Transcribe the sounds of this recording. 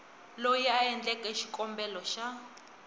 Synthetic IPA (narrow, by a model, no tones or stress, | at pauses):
lojɛaɛnd͡ɮɛkʼɛʃi̥kʼɔmbɛlɔʃa